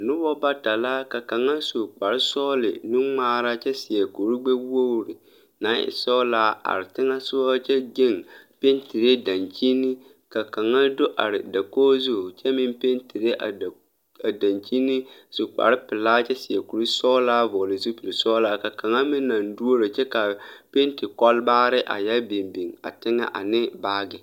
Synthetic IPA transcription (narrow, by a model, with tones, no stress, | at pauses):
nʊ˦bɔ˦ba˦ta˨la˦ka˨ka˨ŋa˦su˨k͡pa˨ɾɪ˦sɔː˦lɪ̰˨nɪ˦ŋ͡maː˦ɾa˦t͡ʃɛ˦sɪ˨a˨ku˨ɾɪ˦ɡ͡bɛ˦wo˦ɾɪ˨ | na˨˦ɪ̰˦˨˦sɔ˦laː˦a̰˨ɾɪ˨tɪ˦ŋa˦sʊ˦a˦t͡ʃɛ˦ɡɪ˦˨npe˦ntɪ˨ɾe˦da˨nt͡ʃi˦nɪ˦ | ka˨ka˨ŋa˦dʊ˦ʔa̰˨ɾɪ˨da˨koː˦zʊ˦˨t͡ʃɛ˦mɪ˦mpe˦nti˨ɾe˦˨ | a˨da˨nt͡ʃi˦ni˦sʊ˨k͡pa̰˨ɾɪ˦pɪ˨laː˦t͡ʃɛ˦sɪ˨a˨ku˨ɾu˦sɔ˦laː˦vɔː˨lɪ˨zu˦pi˨ɾi˨sɔː˦laː˦ka˨ka˨ŋa˦mɪ˦nːa˨n˦du˦o˦ɾɪ˨t͡ʃɛ˦ka˨pe˦ntɪ˨kɔ˦lbaː˦ɾɪ˦ʔa̰˨jɛ˦lbe˨mbi˨ŋa̰˨tɪ˦ŋa̰˦ʔa̰˨nɪ˦baː˦ɡɪ˨